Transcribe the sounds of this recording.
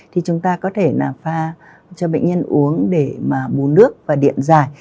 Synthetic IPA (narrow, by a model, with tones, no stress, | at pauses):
t̪ʰi˨˩t͡ɕʊ˨˦ŋ͡mt̪aː˧kɔ˨˦t̪ʰe˧˩naː˨˩faː˧ | t͡ɕɔ˧ɓə̰˧˨jŋ̟ɲə˧nʔu˨˦əŋɗe˧˩maː˨˩ɓu˨˦nɨ˦˥ək̚vaː˨˩ɗḭ˧˨ənzaː˨˩j